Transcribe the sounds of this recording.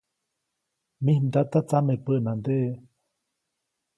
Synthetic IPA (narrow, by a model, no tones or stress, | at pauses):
mihnd̪at̪at͡samepəʔnand̪eʔ